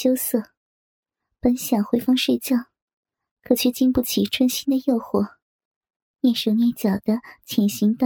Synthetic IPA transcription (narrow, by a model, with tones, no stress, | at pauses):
jo˥ʊsɤ˥˩ | pə˧˥nɕjɑ˨˩xwe˥ɪfɑ˥ŋʂwe˥˧t͡ɕjɑ˥˩ʊ | kʰɤ˨˩t͡ɕʰɛ˥˧t͡ɕi˥˧ŋpu˥˩t͡ɕʰi˨˩ʈ͡ʂʰwə˥nɕi˥nd̪ə˨jo˥˧ʊxwɔ˥˩ | njɛ˥˩nʂo˧˥ʊnjɛ˥˩t͡ɕjɑ˨˩d̪̥ə˦t͡ɕʰjɛ˨˩nɕi˧˥ŋt̪ɑ˥˩